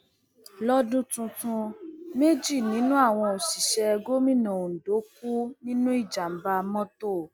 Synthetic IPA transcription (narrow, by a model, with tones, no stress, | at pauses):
lɔ˦dũ˦tũ˧tũ˧me˦d͡ʒi˦˨nĩ˨˦nũ˦a˦˨w̃ɔ̃˧o˨si˨ʃɛ˧ɛ˧ɡo˦mĩ˦˨nã˨n̩˨do˨˦ku˦nĩ˦nũ˦i˦˨d͡ʒa˨m̩˨ba˧mɔ̃˦to˦˨